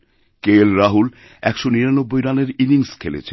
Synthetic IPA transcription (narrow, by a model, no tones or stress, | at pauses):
kelɾaɦul | ɛkʃoniɾanobːojɾaneɾiniŋskʰelḛt͡ɕʰe